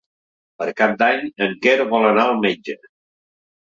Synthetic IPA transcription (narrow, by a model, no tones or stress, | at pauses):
pəɾkap̚d̪aɲəŋkɛɾoβɔlənaəlˠmed͡ʒə